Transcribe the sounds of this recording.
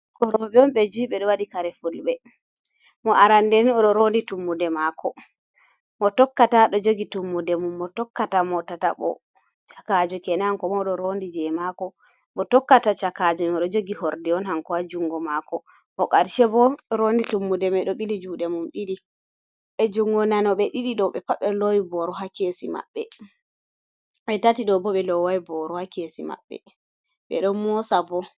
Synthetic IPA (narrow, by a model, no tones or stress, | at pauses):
kɔɾɔbɛɔmɓɛd͡ʒuːɓɛɗɔwaɗikaɾɛfulɓɛ | mɔʔaɾandɛniɔɗɔɾonditumːudɛmakʰɔ | mɔtɔkːataɗɔd͡ʒoɡitumːudɛmumːɔtɔkːatamɔtata̰ɓɔ̰ | t͡ʃakad͡ʒɔkɛnaŋkɔmɔɗɔɾondid͡ʒɛmakɔ | mɔtɔkːatat͡ʃakad͡ʒɔɔɗɔd͡ʒoɡihoɾdiɔnhaŋkɔad͡ʒuŋɡɔmakɔ | ʔɔkaɾʃɛbɔɾonditumːudɛmɛɗɔɓilid͡ʒuɗɛmumɗiɗi | ɓɛd͡ʒuŋɡɔnanɔɓɛɗiɗiɗɔɓɛpaɓːɛlojbɔɾɔɦakesima̰ɓːɛ | ɓɛtatiɗɔbɔɓɛlɔwajibɔɾɔhakesima̰ɓːɛ̰ | ɓɛ̰ɗɔnmɔsabɔ